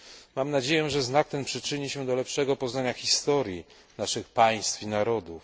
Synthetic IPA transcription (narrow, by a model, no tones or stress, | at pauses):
mamnad͡ʑejɛ̃ʐɛznak̚t̪ɛnpʂɘt͡ʂɘɲiɕɛd̪ɔlɛpʂɛɡɔpɔznaɲaxʲist̪ɔɾʲji | naʂɘxpaj̃st̪finaɾɔd̪uf